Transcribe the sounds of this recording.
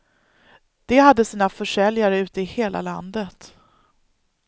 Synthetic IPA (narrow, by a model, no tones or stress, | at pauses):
d̪̥ɛhad̪ːəsiːnafœʂɛljaɾəʉ̟ːt̪əɪheːlʔa̰la̰nd̪ət̪